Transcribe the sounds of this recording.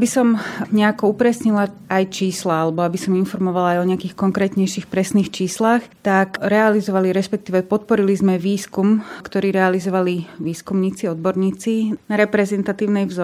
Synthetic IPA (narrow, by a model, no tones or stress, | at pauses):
bisɔmɲɛakɔupɾɛsɲila | ajt͡ʃiːslaalɛbɔabisɔminfɔɾmɔʋalaajɔɲɛakiːxkɔŋkɾɛːt̪ɲɛjʃixpɾɛsniːxt͡ʃiːslaxt̪akɾɛalizɔʋaliɾɛspɛk̚t̪iːʋɛpɔt̪̚pɔɾilizmɛʋiːskumkt̪ɔɾiːɾɛalizɔʋaliʋiːskumɲiːt͡siɔd̪̚bɔɾɲiːt͡sinaɾɛpɾɛzɛnt̪at̪iːʊnɛjvzɔ